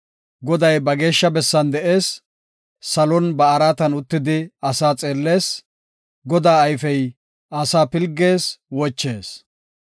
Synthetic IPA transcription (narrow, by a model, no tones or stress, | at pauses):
ɡɔd̪ɐjbɐɡe̞ːʃːɐbɛsːɐnd̪ɛʔe̞ːsː | ɐlɔnbɐɐɾaːt̪ɐnʊt̪ːɪd̪ɪɐsaːt͡sʼeːlːe̞ːs | ɡɔd̪aːɐjfɛj | ɐsaːpɪlɡːe̞ːswɔt͡ʃːe̞ːs